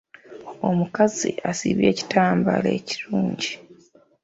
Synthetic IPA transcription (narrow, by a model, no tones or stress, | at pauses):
o̞mukaziasiβje̞ːci̥taːmba̰lḛːci̥ɾuːɲɟi